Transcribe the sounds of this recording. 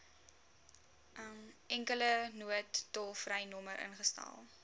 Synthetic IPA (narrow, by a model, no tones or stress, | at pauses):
əmɛŋkələnuətːɔfrɛjnɔməɾʔə̰nχəstɛ̰lˠ